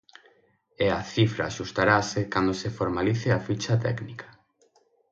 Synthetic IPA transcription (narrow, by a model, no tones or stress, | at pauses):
eaθifɾa̰ːʃust̪aɾasekand̪osefoɾmaliθeafit͡ʃat̪ɛknikḁ